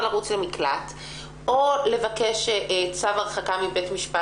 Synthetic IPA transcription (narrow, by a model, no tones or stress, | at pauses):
laʁut͡slemiklat | o̞le̞vakeʃt͡savaʁχakamibetmiʃpa